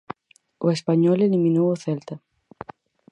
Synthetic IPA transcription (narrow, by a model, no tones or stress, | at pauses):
oespaɲɔlelimĩnowoθelt̪a